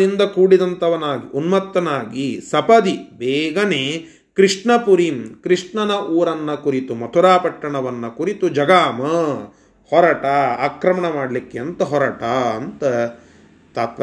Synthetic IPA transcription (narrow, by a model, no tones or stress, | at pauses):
ind̪ɐkuːɽid̪ɐnt̪ɐʋɐnaːɡḭʔunmɐt̪ːɐnaːɡisɐpɐd̪ibɛːɡɐneː | kɾiʂʈɳɐpuɾimkɾiʂʈɳɐnɐʔuːɾɐnːɐkuɾit̪umɐt̪ʰuɾaːpɐʈːɐɳɐʋɐnːɐkuɾit̪ud͡ʒɐɡaːmɐ | hɔɾɐʈɐaːkɾɐmɐɳɐmaːɽɐlikːeɐnt̪ɐɦɔɾɐʈɐɐnt̪ɐ | t̪aːt̪ʋɐ